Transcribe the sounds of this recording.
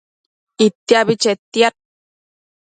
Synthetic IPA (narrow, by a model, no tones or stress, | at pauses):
it̪ːiaβit͡ʃet̪ːiat̪̚